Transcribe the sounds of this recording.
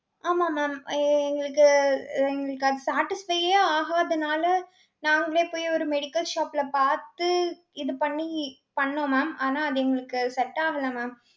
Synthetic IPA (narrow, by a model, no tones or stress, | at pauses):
aːmaːmaːmɛŋɡɐɭɯkːɯɛŋɡɐɭɯkːɯɐðɯsaːʈːɪsfɐɪaaːɣaɐðɐnaːlɐ | naːŋɡɐɭeːpoːjɔɾɯmɛɽɪkːɐlʃaːplɐpaːɾt̪ɯ | ɪðɯpɐɳːi | pɐɳːõːmaːmaːnaːɐðɯɛŋɡɐɭɯkːɯsɛʈːaːɣɐlɐmaːm